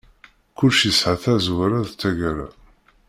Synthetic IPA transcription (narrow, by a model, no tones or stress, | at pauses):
kʊlʃisʕaθæzwɾæðt͡sːæʝɾa̰